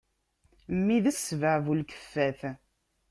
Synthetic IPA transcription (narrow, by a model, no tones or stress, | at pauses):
mːiðəsːvəʕvulkə̥fːæθ